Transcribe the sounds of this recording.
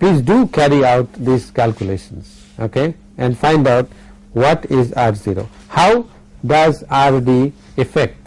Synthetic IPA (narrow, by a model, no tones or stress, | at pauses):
pliːzɖuːkæɾiaʊʈd̪iskælkjʊleːʃə̃ns | oke | ɛ̃nɖfãɪ̃nɖaʊʈ | wɔʈɪzaɾziɾo̰ː | haʊ | ɖʌzaɾd̪i | ɪfɛk̚ʈ